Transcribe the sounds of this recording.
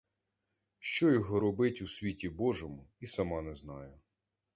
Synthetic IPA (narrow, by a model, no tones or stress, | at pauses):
ʃt͡ʃɔjɔɦɔɾɔbɪtʲusʲʋʲitʲibɔʒɔmʊisɐmɑnɛznɑjʊ